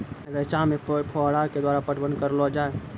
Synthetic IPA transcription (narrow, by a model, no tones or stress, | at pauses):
ɾət͡ʃamepʰɔɽaɾked̪waɾapəʈbənkəɾlɔd͡ʒae